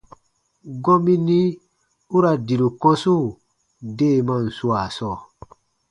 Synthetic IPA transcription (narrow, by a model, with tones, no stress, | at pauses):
ɡɔ̃˦mĩ˦nĩ˦ | u˦ɾa˨di˨ɾu˨kɔ̃˦su˦˨ | de˦˨mã˦˨n̩˨su˦a˨sɔː˦˨